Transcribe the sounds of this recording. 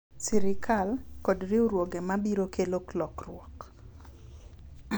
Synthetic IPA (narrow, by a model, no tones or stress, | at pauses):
siɾɪkalkɔdɾiuɾwoɡemabiɾokʰeloklɔkrwɔk